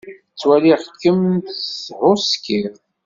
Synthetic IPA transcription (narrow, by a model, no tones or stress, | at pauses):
t͡sːwæliʁkːəmnt̪shʊskiʁ